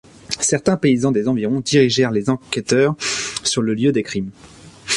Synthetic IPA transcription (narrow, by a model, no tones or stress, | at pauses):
sɛʁt̪ɛ̃peizɑ̃d̪ezɑ̃viʁɔ̃d̪iʁiʒɛʁlezɑ̃kʲɛt̪œːʁsyʁləljød̪ekχim